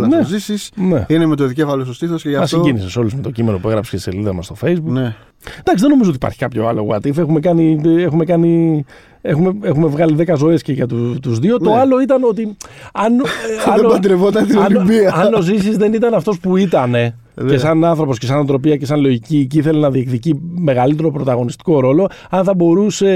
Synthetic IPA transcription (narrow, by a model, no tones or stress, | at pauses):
nezisisnḛinemet̪oeðicefɐlosost̪iθosceʝɐmɐsɲɟiniseso̞luzme̞t̪o̞cime̞nopue̞ɣɾɐpscesḛliðɐmɐst̪o̞fe̞jzbukne | d̪ɐksiðeno̞mizot̪ipɐ̰ɾçi̥kɐpço̞̰ɐ̰lo̞̰ɣo̰ɐ̰t̪ife̞xume̞kɐniexume̞kɐni | e̞xumeexume̞vɣɐliðe̞kɐzo̞esceʝɐt̪ut̪uzðio̞t̪o̞ɐlo̞it̪ɐno̞t̪iɐnɐenbɐd̪ɾevot̪ɐnt̪ionbiɐɐnozisizðe̞nit̪ɐnɐft̪o̞spuit̪ɐne̞ | esɐnɐnθɾo̞po̞sce̞s̬ɐnɐnt̪ɾo̞piɐce̞sɐnlo̞ʝiciciiθe̞lenɐðiekt̪icime̞ɣɐlit̪̬e̞ɾo̞pɾo̞t̪ɐɣo̞nist̪i̥ko̞ɾo̞lo̞ɐnθɐbo̞ɾuse̞